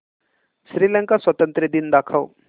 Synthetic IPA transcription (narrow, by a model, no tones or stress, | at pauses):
sɾiːlɛ̃ŋkaswɐt̪ə̃nt̪ɾəd̪ind̪aːkʰəw